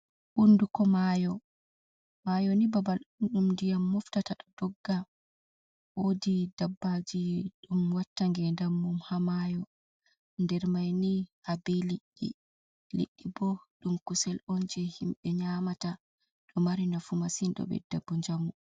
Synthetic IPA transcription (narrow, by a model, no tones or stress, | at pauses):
ʔundukɔmajɔ | majɔnibabalɗunɗumndijamːɔftataɗɔd̥ɔɡːa | wodidabːad͡ʒiɗumwatːaŋɡɛndamːumhamajɔ | ndɛɾmajnihabɛliɗːḭ | lḭɗːibɔɗumkusɛlond͡ʒɛhimɓɛɲamata | ɗɔmaɾinafumasinɗɔ̰ɓɛ̰dabːuɲd͡ʒamu